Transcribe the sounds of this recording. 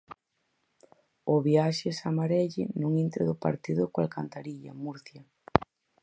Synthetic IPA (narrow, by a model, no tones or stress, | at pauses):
ʊβjaʃɪsamaɾɛʎɪ̰nuŋint̪ɾɪðʊpa̰ɾt̪iðʊkoalkant̪aɾiʎɐ̰muɾθjɐ